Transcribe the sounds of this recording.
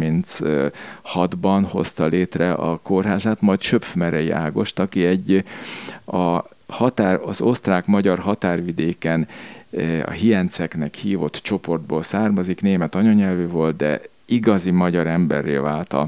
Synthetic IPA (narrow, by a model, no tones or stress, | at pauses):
mint̪s | hɒd̪bɒnho̞st̪ɒleːt̪rɛʔɒ̰korɦaːzaːt̪mɒjt̪ʃøpfmɛɾɛjiʔa̰ːɡo̞ʃt̪ɒkiɛɟː | ɒ | hɒt̪aːrɒzo̞st̪raːkmɒɟɒrɦɒt̪aːrvid̪eːkɛn | ɒ̰ɦiɛnt̪sɛknɛkhiːvo̞t̪t͡ʃo̞po̞rd̪boːlsaːrmɒzikneːmɛt̪ɒɲɒɲɛlvyvo̞lt̪̚d̪ɛ̰ | iɡɒzimɒɟɒɾɛmbɛ̰rːḛːvaːlt̪ɒ̰